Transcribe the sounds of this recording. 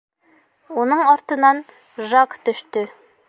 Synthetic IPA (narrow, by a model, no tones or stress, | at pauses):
unɤɴɒɾt̪ɤ̆nɑn | ʒɑkt̪ɵ̆ʃt̪ɵ